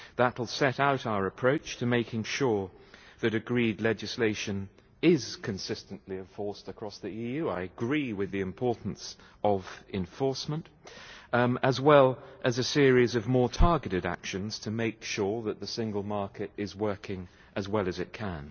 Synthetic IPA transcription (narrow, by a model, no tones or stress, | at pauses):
ðətl̩ˠsɛɾaʊɾaʊə˞ɨpʰɹ̥oʊt͡ʃtʰɨmeɪkɪ̃ŋʃʊɹðɨɾɨɡɹidˡlɛd͡ʒɨsleɪʃɨ̃n | ɪz̥kʰɨ̃nsɪstɨ̃n̩ʔliɨ̃ɱfɔɹstəkʰɹ̥ɔsðiijʉaɪɨɡɹiwɨðiɨ̃mpʰɔɹʔn̩s | ʔʌvɨ̃ɱfɔɹsmə̃nt | əzwɛlˠʔɨzɨsɪɹizʌvmɔɹtʰɑɹɡɨɾɨɾæ̰kʃɨ̃nz̥tʰɨmeɪkʃʊɹðɨt̪̚ðɨsɪ̃ŋɡl̩ˠmɑɹkɨɾɪzwɜ˞kʰɪ̃ŋ | ʔɨzwɛlˠɨzɨt̚kʰɨ̃n